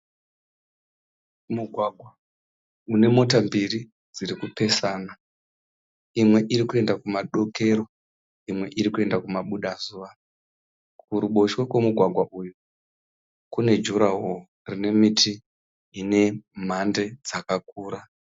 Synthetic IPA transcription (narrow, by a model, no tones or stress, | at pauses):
muɡʱwaɡʱwa | une̞mo̞t̬ambiri | d͡ziɾikupe̞saːna | imwe̞ʔiɾikue̞ndakumaɗo̞ke̞ɾo̞ | imwe̞ʔiɾikue̞ndakumaɓuɗazuːʋa | kuɾuɓo̞ʃwekwemuɡʱwaɡʱwaʔuju | kune̞d͡ʒuɾaɦo | rine̞mitʰiː | ne̞m̤ande̞d͡zakak̚uːɾa